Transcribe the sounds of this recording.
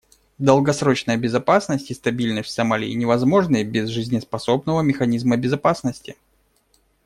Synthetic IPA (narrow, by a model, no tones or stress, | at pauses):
d̪əlˠɡɐsɾo̞t͡ɕnəjəbʲɪzɐpasnəsʲtʲɪst̪ɐbʲilʲnət̪ʲsɐmalʲɪ̰ːnʲɪvɐzmo̞ʐnɨbʲɪzʐɨzʲnʲɪspɐso̞bnəvəmʲɪxɐnʲizməbʲɪzɐpasnəsʲtʲɪ